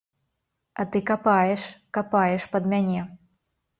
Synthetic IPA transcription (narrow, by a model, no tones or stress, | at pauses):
ɐt̪ɨkapajɛʂkapajɛʂpɐd̪mʲanʲɛ